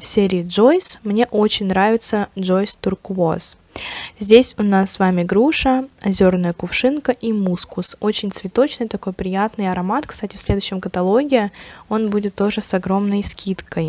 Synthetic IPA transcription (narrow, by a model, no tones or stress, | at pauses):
sʲeɾʲɪɪʐo̞jsmnʲe̞ʔo̞t͡ɕɪnʲnɾavʲɪt̪səʐo̞jst̪ʊrkvos | zʲdʲesʲʊnasːvamʲɪɡɾuʂəɐzʲo̞rnəjəkʊfʂɨnkəʔimuskʊso̞t͡ɕɪnʲt̪svʲɪt̪o̞t͡ɕnɨjt̪ɐko̞jpɾʲɪjat̪nɨjɐɾɐmat̪kst̪atʲɪfsʲlʲe̞d̪ʊɕːɪmkət̪ɐlˠo̞ɡʲɪɪo̞nbudʲɪt̪ːo̞ʐɨsɐɡɾo̞mnəjskʲit̪kəj